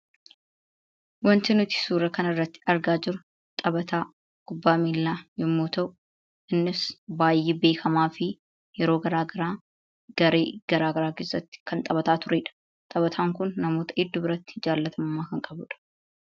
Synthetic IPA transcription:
wɐnt̪ɪnʊt̪ɪ̥suːɾɐkɐnɪrːɐt̪ːɪ̥ɐɾɡaːd͡ʒɪɾʊ | t̪ʼɐbɐt̪aː | ɡ̥ʊbːaːmiːlːaːjɪmːoːt̪ɐʔʊ | ʔɪnːɪsbaːjːeːbe̞ːkʰɐmaːfɪ | jɛɾoːɡɐɾaːɡɐɾaː | ɡɐɾḛːɡ̥ɐɾaːɡɐɾaːkeːsːɐt̪ːɪ̥kʰɐnt̪ʼɐbɐt̪aːt̪ʊɾeːᶑɐ̥ | t̪ʼɐβɐt̪ʰaːŋkʊnːɐmo̞ːt̪ɐʔɪd̪ːʊbɪɾɐt̪ːɪ̥d͡ʒaːlːɐt̪ʰɐmɐmːaːkɐŋkʼɐbʊᶑɐ̥

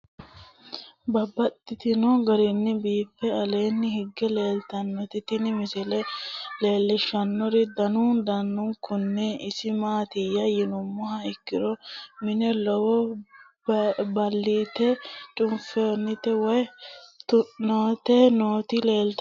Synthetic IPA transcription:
bɐbɐt̪ʼːɪt̪ɪnɔɡɐɾɪnːɪbiːpːɛɐle̞ːnːɪhɪɡːɛle̞ːlt̪ɐnːɔt̪ɪt̪ɪnɪmɪsɛlɛle̞ːlːɛʃːɐnːɔɾɪd̪ɐnuːnd̪ɐnːʊŋkʊnːɛɪsɪmaːt̪ɪjːɐjɪnʊmːɔhɐkːɪɾɔmɪnɛlɔwɔ | bɐlːiːt̪ːɛt͡ʃʼʊnfenːɪt̪ɛwɔj | noːt̪ɛnoːt̪ɪle̞ːlt̪

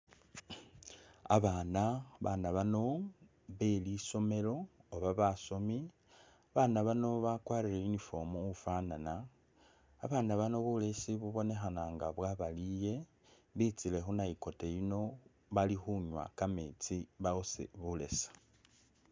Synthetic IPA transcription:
a̰βaːnaβanaβano̞ | βe̞liso̞me̞lo̞ːβaβaso̞mi | aβanaβano̞βakwaːɾilejunifo̞muufaːnanaː | βaːnaβano̞βule̞siβuβo̞ne̞xanaŋɡaβwaβalije̞ | βit͡sile̞xunaiko̞te̞jino̞ | βalixuɲwa̰kamet͡siβaosḛβule̞̰sḁ

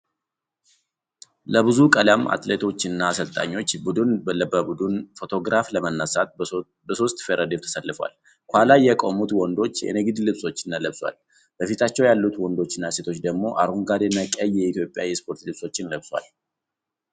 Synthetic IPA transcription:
ləβɨzukʼəlamːʔa̰t̪let̪ʰo̞t͡ʃːɪnːasəlt̪ʼa̰ɲːo̞t͡ʃːbud̪ɨnbələbəbud̪unfo̞t̪ʰo̞ɡɾafləmənːəsat̪̚ | bəso̞st̪ʼfeɾʔad̪emt̪ʰə̥səlːɨfwa̰l | kʷalajɛkʼomut̪wɔnd̪o̞t͡ʃːjɛ̰nɨɡɨd̪lɨβsʼo̞t͡ʃːɪnːaləβswa̰l | b̥əfit̪ʰat͡ʃːɛwjalːut̪wɔnd̪o̞t͡ʃːɪnːase̞t̪ʰo̞t͡ʃːd̪əɡmo̞ʔa̰ɾuŋɡad̪enəkʼəjːɛit̪jo̞pʼjawjɛspʰo̞ɾt̪lɨβso̞t͡ʃːɪnləβsʼwa̰l

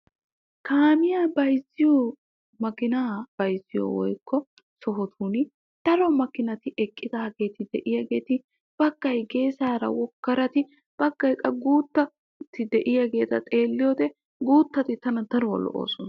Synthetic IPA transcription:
kaːmɪjaːbɐjzɪjɔ | mɐkɪnaːb̥ɐjzɪjɔ̰wɔ̰jkʰːɔ | sɔɦɔt̪ʰuːnɪ | d̪̥ɐɾɔmɐkɪnɐt̪ɪʔɛkʼːɪd̪aːɡe̞ːt̪ɪd̪ɛ̰ʔɪjɐɡe̞ːt̪ɪ | b̥ɐɡ̥ːɐjɡe̞ːsaːɾɐ̰wɔkːɐɾɐt̪ɪ | b̥ɐɡːɐjkʼːɐɡuːt̪ːɐ | t̪ɪd̪ɛʔɪjɐɡe̞ːt̪ɐt̪ʼe̞ːlːɪjɔd̪ɛ | ɡuːt̪ːɐt̪ɪt̪ɐnɐd̪ɐɾɔwɔ̰lːɔ̰ʔo̰ːsɔnɐ

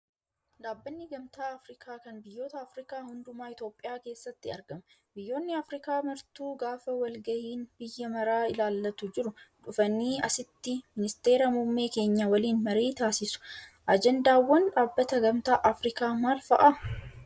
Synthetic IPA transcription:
ᶑ̪aːbːɐnːɪɡɐmt̪aːɐfɾɪkʰaːkɐnbɪjːo̞ːt̪ɐːfɾɪkaːhʊnd̪ʊmaːɪt̪o̞ːpʼːɪjaːke̞ːsːɐt̪ːɪɐ̰ɾɡɐmɐ | bɪjːo̞ːnːɪɐfɾɪkaːmɐɾt̪uːɡaːfɐwɐlɡɐhiːnbɪjːɐmɐɾaːɪlaːlːɐt̪ʊd͡ʒɪɾʊᶑʊfɐnːiːɐsɪt̪ːɪmɪnɪst̪e̞ːɾɐmʊmːe̞ːke̞ːɲːɐwɐliːnmɐɾeːt̪aːsɪsʊ̥ | ʔɐd͡ʒɛnd̪aːwːɐnᶑaːbːɐt̪ɐɡɐmt̪aːʔɐfɾɪkaːmaːlfɐʔa

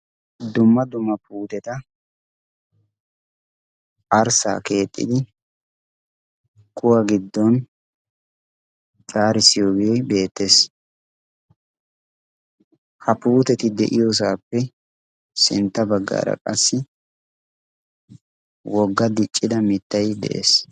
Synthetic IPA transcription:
d̪ʊmːɐd̪ʊmːɐpuːt̪ɛt̪ɐ | ʔɐɾsa̰ːke̞ːt̪ʼːɪ̰d̪ɪ | kʼʊwɐɡɪd̪ːɔn | t͡ʃʼaːɾɪsɪjoːɡeːbe̞ːt̪ːe̞s | hɐpuːt̪ɛt̪ɪd̪ɛʔɪjos̬aːpːɛ | sɪ̰nt̪ːɐbɐɡːa̰ːɾɐ̰kʼɐsːɪ | wɔɡːɐd̪ɪt͡ʃʼːɪd̪ɐmɪt̪ːɐjd̪ɛ̰ʔḛːs

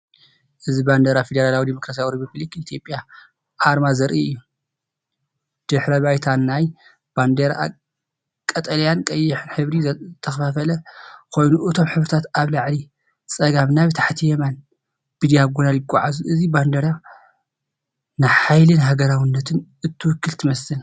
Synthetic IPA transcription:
ʔɨziband̪ɐɾafed̪eɾalawid̪imo̞kɾasijawɾipublikit̪ʰjo̞pʼja | ʔaɾmazɐɾʔḭɨjːu | d̪̥ɨħɾɐβajt̪ʰanːaj | b̥and̪eɾaa̰ | kʼɐt̪ʼɐlijankʼɐjːɪħɨnħɨβɾiɨt̪ʰːɐxɐfafɐlɐkʰo̞jnuʔɨt̪ʰo̞mħɨβɾɨt̪ʰat̪aβlaʕli | t͡sʼɐɡaβnaβɨt̪ʰḁħt̪ʰijɛman | bid̪jaɡunaljɪkʷʼːaʕazuʔɨziband̪ɐɾa | najħajlɨnɦaɡɐɾawɨnːɐt̪ʰɨnʔɨt̪ʰːɨwʊkːɨlt̪ʰɨmɐsɨl

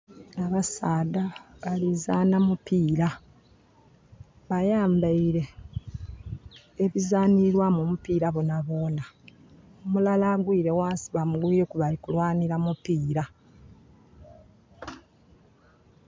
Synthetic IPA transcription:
aβasaːdaβalizaːnamupiːɾa | βajaːmbaiɾe̞ | βizaːniɾwamumupiɾaβonaβo̞ːna | omulalaɡwiːɾe̞waːsi̥βamuɡwiɾekuβalikulwaːniɾamupiːɾa

